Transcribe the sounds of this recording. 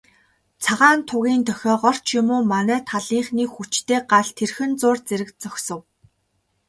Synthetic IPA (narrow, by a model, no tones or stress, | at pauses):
t͡sʰaʁaːnt̪ʰʊɣʲiːnt̪ʰœxʲɔːɢɔr̥t͡ɕʰjʊmoːmanæːt̪ʰaɮiːɴχniːxut͡ɕt̪ʰeːɢaɮt̪ʰerxɘ̆nt͡sʊːrt͡seɾɘ̆kt͡sœxʲsɞ̆w